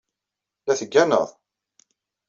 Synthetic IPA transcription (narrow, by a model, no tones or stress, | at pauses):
læθəɡːænə̰ðˤ